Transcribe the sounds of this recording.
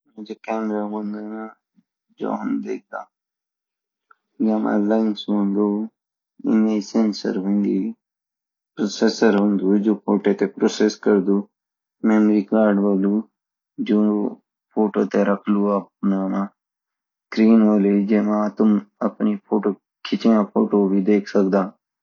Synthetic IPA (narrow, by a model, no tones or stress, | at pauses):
mẽd͡ʒekɛːmɾamõnd̪ena | d͡ʒo̰ːɦʊnd̪ḛːɡaː | jaːma̰laɪnsmõnd̪o | ɪ̰nesensə̰ɾɦʊ̃nd̪i | pɾoːsesəɾɦʊ̃nd̪ud͡ʒoːpʰoːʈet̪epɾoːseskəɾd̪uː | mɛ̃nʋikaːɾɖʋoːluː | d͡ʒoː | pʰoːʈoːt̪eɾəkʰluəp̚naːna | kɾiːnʋoːlid͡ʒemãːt̪ʊməpnipʰoːʈoː | kʰɪt͡ʃijãpʰoːʈoːbʱid̪eːkʰsəkd̪aː